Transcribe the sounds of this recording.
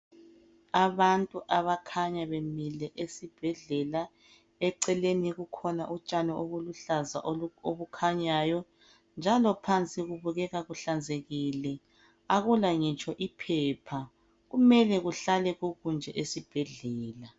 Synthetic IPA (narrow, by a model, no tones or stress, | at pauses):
aβantʼuʔaβakʰaɲaβemilɛʔesib̥ʱɛɮɛla | ɛǀɛleniɣukʰɔnaʔut͡ʃʼanɔʔoɣuluɬazaʔoβukʰaɲaːjɔ | nd͡ʒʱalɔpʰant͡sʼiɣuβuɣɛɣaɣuɬand͡zʱeɣilɛ | aɣulaŋit͡ʃʼɔʔipʰɛpʰa | ɣumɛlɛɣuɬalɛɣuɣund͡ʒʱɛʔesib̥ʱɛɮɛːla